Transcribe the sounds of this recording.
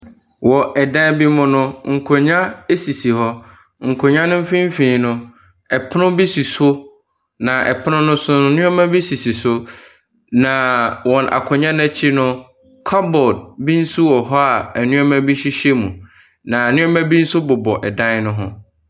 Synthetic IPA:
wɔ˨ɛ˨dã˦n˦bi˦mʊ̃˦nʊ̃˦ŋ̩˨kʰo˨ɲã˦e˦si˨si˨hɔ˦ | ŋ̩˨kʰo˨ɲã˦nʊ̃˦m̩˦fĩ˦m̩˦fĩ˨nʊ̃˦ | ɛ˨pʰnʊ̃˦bi˦si˨sʊ˦ | nã˨ʔɛ̰˨pʰɪ˦nʊ̃˦nʊ̃˦sʊ̃˦˨˦nʊ̃˦ɔ˦mæ̃˦bi˦si˨si˨sʊ˦ | nã˨wɔ̃˨nʔa̰˨kʰʊ˨ɲã˦n˦ɛ˦t͡ɕʰi˦nʊ̃˦ | kʰɔ˦bɔ˨d̚bi˦n̩˦su˦wɔ˨ɦɔ˦a˨æ˨nũ˦a˦mæ̃˦bi˦ɕi˦ɕe˦mũ˨ | nã˨nʊ̃˦a˦mæ̃˦bi˦n̩˦sʊ˦bʊ˨bɔ˨ʔɛ˨dã˦nnʊ̃˦ɦʊ̰̃˦

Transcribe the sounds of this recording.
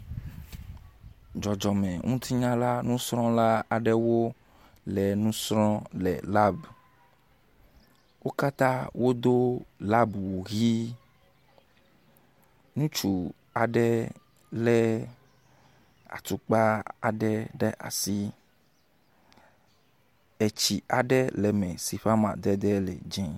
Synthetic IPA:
d͡ʒɔ˨d͡ʒɔ˨mɛ̃˨ŋũ˦t̪ʰi˦ɲã˦la˦nũ˦sɾɔ̃˦la˦a˨ɖɛ˦wo˦ | lɛ˨nũ˦sɾɔ̃˦lɛ̰˨la˦b | wo˦ka˦t̪ã˦wo˦d̪o˦la˦bwu˨ɣi˦ | nũ˦t͡ʃu˨ | a˨ɖɛ˦ | lɛ˦ | a̰˨t̪u˦k͡pa˦a̰˨ɖɛ˦ɖɛ˦ʔa̰˨si˦ | e˨t͡ʃi˨a˨ɖɛ˦lɛ˨mɛ̃˨si˨ɸa˦mã̰˨d̪ɛ˦d̪ɛ˦lɛ̰˨d͡ʒɛ̃˦

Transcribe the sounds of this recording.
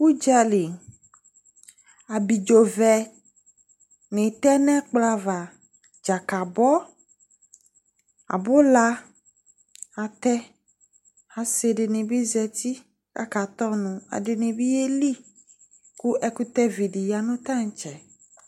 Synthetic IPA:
wu˦d͡ʒa˦li˨ŋ | a˨bi˨d͡ʒo˨vɛ˨ | nẽ˨t̪ɛ˦nɛ̃˦k͡pla˦va˨ | d͡ʒa˨ka˨bɔ˦ | a̰˨bo˦la˦ | a˨t̪ɛ˦ | a˨se˨ɖe˨nẽ˨bi˦zɛ˨t̪i˦ | ka̰˦ka˨t̪ɔ˦nũ˨a̰˨ɖe˨nẽ˨bi˦je˦li˦ | ku˦ʔɛ˦ku˦t̪ɛ˦vi˨ɖi˨ja˨nũ˦t̪ã˦ŋ˨t͡ʃɛ˨

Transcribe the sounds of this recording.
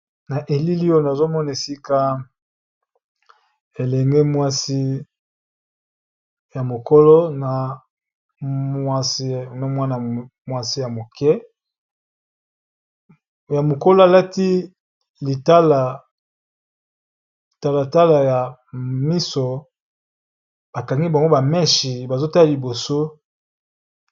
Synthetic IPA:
na˨ʔe˨li˦li˦o˦˨na˨zo˦mɔ˦na˨e˨si˦ka˦ | e˨lɛ˨ŋɡe˦mwa˦si˦ | ja˨mo˨ko˦lo˦na˨ | a˦si˦na˨mwa˦na˨mwa˦si˦ja˨mo˨kɛ˦ | ja˨mo˨ko˦lo˦a˨la˦ti˦ | li˨ta˦la˨ | i˨ta˦la˨ta˦la˨ja˨mi˦so˨ | ba˨ka˨ŋɡi˦ba˨ŋɡo˦ba˨mɛ˦ʃi˨ba˨zo˦ta˦a˨li˨bo˨so˦

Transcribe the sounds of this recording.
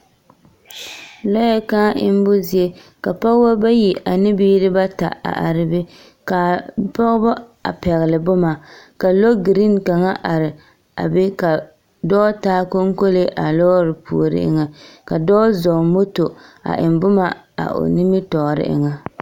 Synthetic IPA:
lɔ˦jɛ˦kaː˦ʔɪ̰˦m˦bʊ˦zi˦e˦ka˨pɔ˦ɣba˦ba˦ji˨ʔa˨nɪ˦biː˦ɾɪ˦ba˦ta̰˨a̰˨ʔa˨ɾɪ˦bɪ˦ | ka˨pɔ˦ɣbɔ˦a̰˨pɛ˨ɣɪ˨lɪ˨bʊ˦ma˨ka˨lo˦ɡi˨ɾi˦nka˨ŋa˦ʔa˨ɾɪ˨ | a̰˨be˦ka˨ | dɔː˦taː˦ko˦ŋ˦ko˦le˦ʔa˨lɔː˦ɾɪ˨pʰṵ˨o˨ɾɪ̰˦ʔɪ̰˦ŋa˨ka˨dɔː˦zɔ˨mo˦to˨a̰˨ʔɪ˨m˨bʊ˦ma˦ | a̰˨ʔo̰˨nɪ˦mɪ˦tɔː˨ɾɪ̰˦ʔɪ̰˦ŋa˦

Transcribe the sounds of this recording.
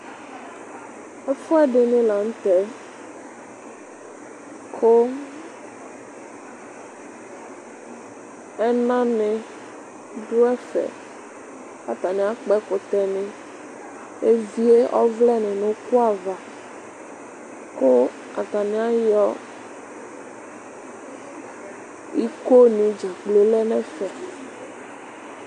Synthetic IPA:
ɛ˦fʊ˦ɛ˦ɖɪ˨nɪ̃˦la˨n̩˦t̪ɛ˦ | kʰo˦ | ɛ˦nã˦nɪ˨ | ɖʊ˦ɛ˦fɛ̰˨ | a̰˨t̪a˨nɪ̃˨a˦k͡pɛ˦kʊ˨t̪ɛ˨nɪ̃˨ | e˦vi˦e˦ʔɔ̰˦vlɛ˦nɛ̃˨nõ˨˦ku˦a˨va˨ | ko˦ | a˨t̪a˨nĩ˨˦a˦jɔ˦ | i˦ko˦nĩ˨d͡ʒa˨k͡plo˨lɛ˦nɛ̃˦fɛ˨

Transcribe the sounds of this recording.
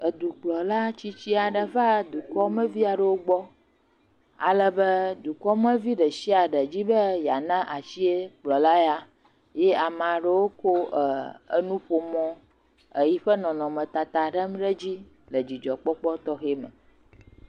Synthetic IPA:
ə˨d̪u˨k͡plɔ˨la˦t͡ɕi˦t͡ɕi˦a˨ɖə˨va˦d̪u˨kɔ˦mə̃˦vi˦a˨ɖə˦wo˦ɡ͡bɔ˦ | a̰˨lə˦bə˦d̪u˨kɔ˦mə̃˦vi˦ɖə˨si˦a˨ɖə˨d͡ʑi˦bə˦ja˨nã˦ʔa˨ʃi˦e˦k͡plɔ˨la˦ja˦ | je˦a˨mã˨ɖə˦wo˦ko˦ʔə˨ə̰˦nũ˦ɸo˦mɔ̃˦ | ə˨ji˦ɸə˦nɔ̃˨nɔ̃˨mə̃˨t̪a˨t̪a˨ɖə˦m˦ɖə˦d͡ʑi˦ | lə˨d͡ʑi˨d͡ʒɔ˨k͡pɔ˦k͡pɔ˦t̪ɔ˦xe˦mə̰̃˨

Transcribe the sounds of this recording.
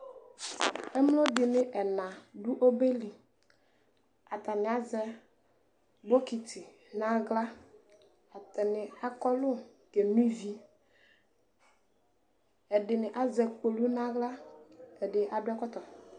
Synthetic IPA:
ɛ˦mlo˦ɖɪ˨nɪ̃˦ʔɛ˨nã˨ɖu˦ʔo˦be˦li˨ | a˨t̪a˨nɪ̃˨a˨zɛ˦ | bo˦ki˨t̪i˨ | nã˦ɡla˦ | a˨t̪ɛ˨nɪ̃˨a˨kɔ˦lʊ˦ | ke˨nũ˦i˦vi˦ | ɛ˨ɖɪ˨nɪ˨ʔa˨zɛ˨k͡po˨lu˦nã˦ɡla˦ɛ˨ɖɪ˨ʔa˨ɖʊ˦a˦kɔ˦t̪ɔ˨

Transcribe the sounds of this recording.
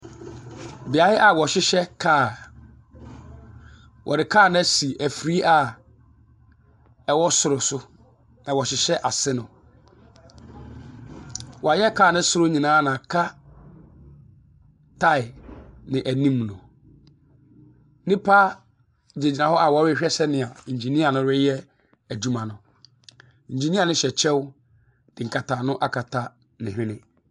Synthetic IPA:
bɪ˨a˨hɪ˦ʔa˨wɔ˨ɕɪ˦ɕɛ˦kʰaː˦˨ | wʔɔ̰˨dɪ˨kʰaː˦˨nã˦si˨æ˨fɾi˦a˦ | ɛ˨wɔ˦sʊ˨ɾʊ˨sʊ˦ | nã˨wɔ˨ɕɪ˨ɕɛ˦ʔa˨sɪ˦nʊ̃˨ | wɔ˨a˨jɛ˦kʰaː˦˨nɪ̃˦sʊ˦ɾʊ˦ɲĩ˨nãː˦nã˨kʰa˦ | tʰa˦˨ɪ˨nɪ̃˨ʔæ˨nĩ˦mnʊ̃˨ | nɪ̃˦pʰa˦˨ | d͡ʑe˨d͡ʑi˨nã˨hɔ˦ʔa˨wɔ˨˦ɾɪ˦ɕᶣɛ˦ɕɛ˦nɪ̃˨a˨ɲ˨d͡ʑe˨nĩ˦a˨nʊ̃˦ɾɪ˦jɛ˦ | æ˨d͡ʑu˦mã˨nʊ̃˨ | ɲ̩˨d͡ʑe˨nĩ˦a˨nʊ̃˦ɕɛ˨t͡ɕʰɛ˦w | d̥ɪ˨ŋ̩˨kʰa˨tʰaː˨nʊ̃˦ʔa˦kʰa˨tʰa˦ | nɪ̃˨hᶣɪ̃˦nɪ̃˦

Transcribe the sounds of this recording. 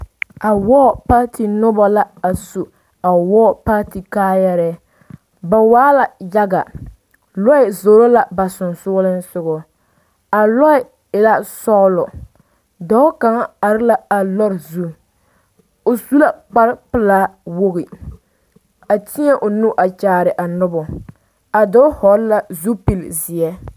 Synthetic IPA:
a˨wɔː˦˨pa˦ti˨nʊ˦bɔ˨la˦a˨su˨ | a˨wɔː˦pa˦ti˨kaː˦jɛ˦ɾɛ˦ | ba˨waː˦la˨ja˦ɡa˨ | lɔ˦ɪ˨zo˨ɾo˦la˨ba˨sʊ˨nsʊː˦lɨ˦nsʊ˦ɡɔ˦ | a˨lɔ˦ɪ˨ | ɪ˨la˦sɔ˦lɔ˨ | dɔ˨˦ʊ˦ka˨ŋa˦a˨ɾɪ˦la˦a˨lɔ˦ɾzu˦ | o˨su˦la˦k͡pa˦ɾpɨ˦la˦wo˦ɣi˨ | a˨ti˦ɛ˦ʔʊ˨nu˦ʔa˨t͡ʃaː˨ɾɪ˨ʔa˨nʊ˦bʊ˨ | a˨dɔ˦hɔ˨ɾla˦zu˦pi˦lzɪ˨ɛ˦

